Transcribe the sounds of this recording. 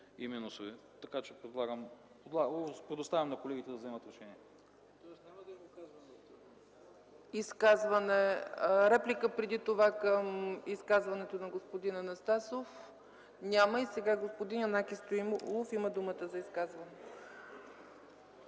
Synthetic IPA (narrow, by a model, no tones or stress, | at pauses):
iminʊsovit̪ɐkat͡ʃɛpɾɛd̪lˠaɡəm | od̪lˠapɾɛd̪ost̪avʲɐmnɐkolɛɡʲit̪ɛd̪ɐvzɛmət̪ɾɛʃɛniɛ | t̪ɔsnʲamɐd̪ɐimiskazvɐnɛ | iskazvɐnɛɾɛplikəpɾɛd̪it̪ovakəmiskazvɐnɛt̪onɐɡospod̪inɐnɐst̪asof | nʲaməisɛɡaɡospod̪inɐnakʲist̪oim̰lˠofiməd̪umət̪əzɐiskazvɐnɛ